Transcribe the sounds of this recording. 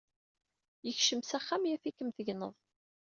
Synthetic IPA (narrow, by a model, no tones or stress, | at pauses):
jəçʃəmsæχːæmjæfikːəmθəʝnəðˤ